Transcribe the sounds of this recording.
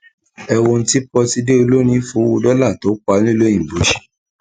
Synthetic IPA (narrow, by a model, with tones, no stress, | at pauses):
ɛ˧wo˧n̩˦ti˦k͡pɔ˧ti˧de˦o˧lo˦ñĩ˧˦fu˨˦wu˧dɔ˦la˦˨to˨˦k͡pa˧˦nĩ˦lõ˦ĩ˨bo˨˦ʃi̥˦